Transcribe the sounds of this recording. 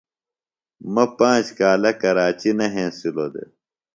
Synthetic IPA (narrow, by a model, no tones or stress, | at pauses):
mɐpãːt͡ɕkaːlɐkɐɾaːt͡ɕinɐɦẽːsilod̪ḛ